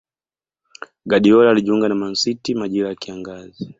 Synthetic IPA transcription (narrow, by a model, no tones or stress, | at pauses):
ɡaɗiɔlaaliʄuŋɡanaman̩sitimaʄiɾajakiaŋɡazi